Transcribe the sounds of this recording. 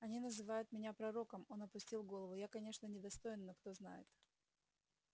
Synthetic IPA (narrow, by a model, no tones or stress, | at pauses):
ɐnʲinəzɨvajʊt̪mʲɪnʲapɾɐɾo̞kəmo̞nɐpʊsʲtʲilˠɡo̞lˠəvʊjakɐnʲe̞ʂnənʲɪd̪ɐst̪o̞jɪnːəkt̪o̞zna̰jɪ̰t̪